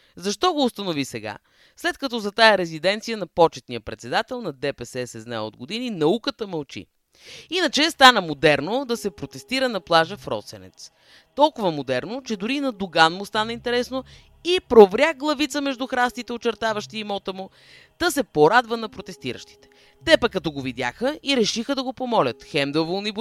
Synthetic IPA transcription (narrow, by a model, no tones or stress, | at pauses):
zɐʃt̪ɔɡoːst̪ɐnovisɛɡa̰ | slɛt̪kɐt̪ɔzɐt̪ajəɾɛzid̪ɛnt̪sijənɐpɔt͡ʃɛt̪nijəpɾɛt̪sɛd̪at̪ɛlˠnɐd̪ɛpɛsɛsɛznaɛo̰d̪ɡod̪ininɐukət̪əmɐlˠt͡ʃḭ | inət͡ʃɛst̪anəmod̪ɛɾnod̪ɐsɛpɾot̪ɛst̪iɾənɐplˠaʒəfɾɔ̰t̪sɛnɛ̰t̪s | t̪ɔlˠkʊvəmod̪ɛɾnot͡ʃɛd̪ʊɾinɐd̪ʊɡanmʊst̪anəint̪ɛɾɛsno | ipɾovɾʲaɡlˠɐvit̪səmɛʒd̪uxɾast̪it̪ɛot͡ʃɛɾt̪avəʃt̪iːmɔt̪əmʊ | t̪əsɛpoɾad̪vənɐpɾot̪ɛst̪iɾə̰ʃt̪i̥t̪ɛ̥ | t̪ɛpəkːɐt̪ɔɡovid̪ʲjaxəiɾɛʃixəd̪ɐɡopomɔlʲət̪xɛmd̪ɛvolˠnib